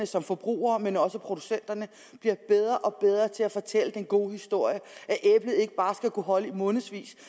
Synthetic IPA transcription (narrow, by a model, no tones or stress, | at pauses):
nəsɒ̽mfɒb̥ʁṵːɐːmenɒ̽səpʰʁo̝d̥usen̰d̥ɐnə | b̥liɐb̥eð̞ˠʁɐʔɒ̽b̥eð̞ˠʁɐt͡sʰe̝æfɒ̽t͡sʰel̰əd̥enɡ̥o̝̰ːhisd̥o̝ɐ̰jəʔæʔeb̥ləð̩ˠe̝ɡ̥əb̥ɑ̈ːsɡ̥ækʰuɦɒ̽ləimɔ̽ːnð̩ˠsʋḭːs